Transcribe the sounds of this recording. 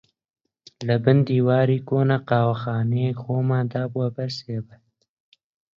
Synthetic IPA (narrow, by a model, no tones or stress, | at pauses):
labənd̪iwɑːɾikoːnaqɑːwaxɑːnexoːmad̪aːbwabaɾseːba